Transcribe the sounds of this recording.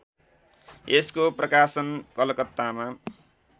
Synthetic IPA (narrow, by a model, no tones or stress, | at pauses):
eskoprʌkasʌnkʌlʌkʌt̪ːama